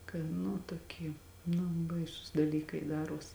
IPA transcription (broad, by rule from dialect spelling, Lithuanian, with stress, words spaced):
kɐɪ ˈnʊ toːˈkʲiɛ ˈnʊ ˈbɐɪsuːs dɐˈlʲiːkɐɪ ˈdɑːruɔs